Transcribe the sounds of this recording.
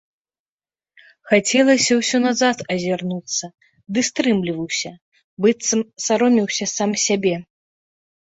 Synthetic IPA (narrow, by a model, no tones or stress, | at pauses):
xat͡sʲɛlˠɐsʲɐwsʲɔnazat̪ɐzʲarnut̪sːɐ | d̪ɨst̪ɾɨmlʲivɐwsʲɐ | bɨt̪sɐmsaɾɔmʲiwsʲɐsamsʲabʲɛ